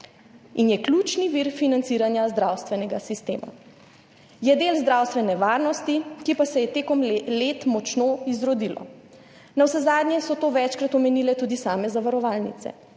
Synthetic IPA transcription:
injɛklut͡ʃniʋiːɾfinant̪siːɾanjazd̪ɾawst̪ʋɛnɛɡasist̪ḛːma̰ | jɛd̪eːlzd̪ɾawst̪ʋɛnɛʋaːɾnɔst̪ikipasɛjɛt̪eːkɔmlet̪mɔt͡ʃnoizɾɔd̪ilɔ̰ | nawsɛzaːd̪njɛsɔt̪oːʋɛt͡ʃkɾat̪ɔmɛnilɛt̪uːd̪isaːmɛzaʋaɾɔʋaːlnḭt̪sɛ̰

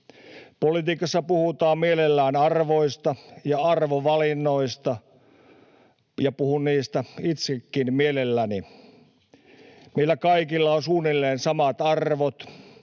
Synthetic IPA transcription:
polit̪iːkɑsːɑpuhut̪ɑːmmielelːæːnɑrʋoist̪ɑjɑɑrʋoʋɑlinːoist̪ɑ | jɑpuhunniːst̪æit̪sekːinmielelːæni | meilːˑækɑikilːɑonsuːnilːeːnsɑmɑt̪ɑrʋot̪

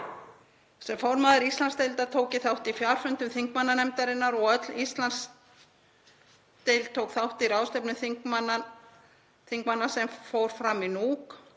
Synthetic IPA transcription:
sɛmfɔwɾmaðɪɾist̪lanst̪ejlt̪at̪ʰoːwcɪθawht̪ifjawɾ̥fʏnt̪ʏmθiŋkmanːanɛmt̪aɾɪnːaɾɔɣœt̪list̪lans | t̪ejlt̪ʰoːwkθawht̪iɾawst̪ɛpnʏmθiŋkmana | θiŋkmanːasɛmfowɾ̥fɾaminuːk

